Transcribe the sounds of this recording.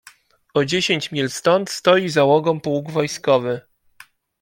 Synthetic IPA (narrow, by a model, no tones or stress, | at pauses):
ɔd͡ʑeɕeɲt͡ɕmʲilst̪ɔnt̪st̪ɔjizawɔɡɔ̃mpuwɡvɔjskɔvɘ